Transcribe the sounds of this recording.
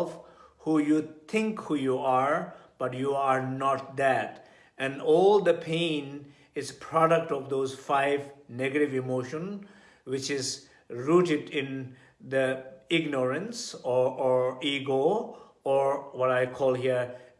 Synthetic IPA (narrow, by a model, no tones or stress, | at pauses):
fhujut̪ʰɪ̃ŋkhuːjuaɹb̥ʌʈjuːaɾnɔʈ̚d̪æt | ɛ̃nɔːld̪əpʰẽn | ɪzpʰɾɔɖək̚ʈɔʋd̪oːzfaɪvneɡəɾɪʋɪmoːʃə̃n | wɪt͡ʃɪz | ɹuːʈɪɖɪ̃n | d̪əɪɡnəɹə̃nsɔɔɹiːɡo | ɔɹwɔɾaɪkʰɔːlˠɦiəɾ